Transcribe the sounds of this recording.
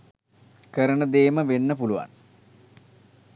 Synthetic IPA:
kəɾənəd̪eːməʋenːəp̬uluʋa̰n

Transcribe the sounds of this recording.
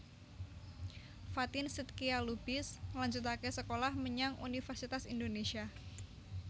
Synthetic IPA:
fat̪ɪnsit̪̚kialubɪslaɲd͡ʒut̪̬akɛsəkolahməɲaŋṵnifərsit̪asindonesia

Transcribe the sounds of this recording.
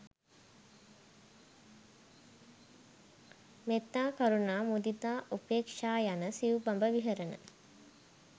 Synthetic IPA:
met̪ːaːkaɾunaːmud̪it̪aːʔupeːkʂaːjanəsiubambəʋiɦəɾənə̰

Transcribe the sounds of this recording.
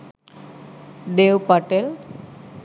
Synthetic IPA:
ɖewpaʈel

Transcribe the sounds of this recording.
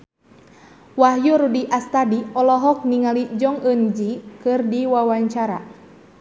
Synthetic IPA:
waɦjuɾudiʔast̪adiɔlɔɦɔk̚niŋalid͡ʒɔŋənd͡ʒikɨrdiwawaɲt͡ʃaɾa̰

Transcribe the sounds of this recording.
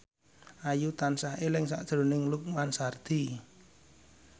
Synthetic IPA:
ʔajut̪ansaɦelɪŋsa̰ʔd̥ʒ̥ɾo̤nɪŋlʊk̚mansard̪̥i

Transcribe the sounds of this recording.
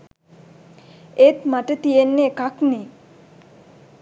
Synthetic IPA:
et̪maʈət̪ijenːeːkakne

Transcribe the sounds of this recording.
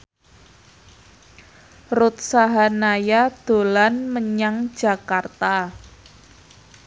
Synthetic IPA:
rʊt̪̚saɦanajad̪̥o̤lanməɲaŋ̥d͡ʒ̥a̤kart̪a

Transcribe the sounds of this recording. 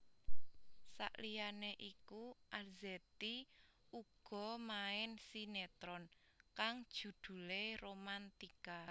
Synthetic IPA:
sa̰ʔlijaneʔikuʔalzet̪iuɡ̥ɔ̤maɪnsinet̪ɾɔn | kaŋd̥ʒ̥ṳd̪̥ṳleromant̪ika

